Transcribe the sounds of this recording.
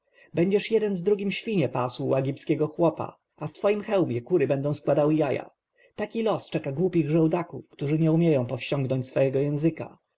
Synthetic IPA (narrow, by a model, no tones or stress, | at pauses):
bɛɲd͡ʑɛʂjɛd̪ɛnzd̪ɾuɡʲimɕfʲiɲɛpaswuɛɡʲipskʲɛɡɔxwɔpa̰ | aft̪fɔjimxɛwmʲjɛkuɾɘbɛnd̪ɔ̃w̃skwad̪awɘjaja̰ | t̪akʲilɔst͡ʂɛkaɡwupʲiɣʐɛwd̪akṵfkt̪uʐɘɲɛumʲjɛjɔ̃w̃pɔfɕt͡ɕɔŋɡnɔɲt͡ɕsfɔjɛɡɔjɛ̃w̃zɘka̰